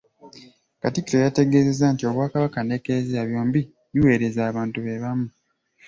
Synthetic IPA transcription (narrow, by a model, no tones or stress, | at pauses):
katikːiɾo̞jate̞ɡe̞ːze̞zantio̞βwaːkaβakane̞kezaβjo̞ːmbi | βiwe̞ːɾe̞zaːβaːntuβe̞βamu